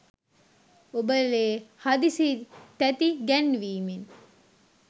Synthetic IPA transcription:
obəleːhad̪isit̪æt̪iɡænʋiːmen

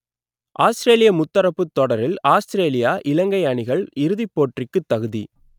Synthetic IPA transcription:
ʔaːstɪɾeːlɪjɐmʊt̪ːɐɾɐpːɯt̪ːɔɽɐɾɪlaːstɾeːlɪjaːʔɪlɐŋɡɐɪɐɳɪɣɐɭɪɾɯðɪpːoːʈrɪkːɯt̪ːɐɣɯðḭ

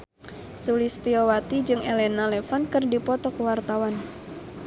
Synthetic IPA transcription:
sulist̪iowat̪id͡ʒɨŋɛlɛnalɛfankɨrdipɔt̪ɔkəwart̪awan

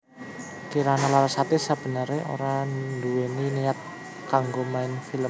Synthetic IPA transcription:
kiɾanalalasat̪isab̥ə̤nəɾeʔo̰ɾanduweniniat̪̚ | kaŋɡomaɪnfiləm

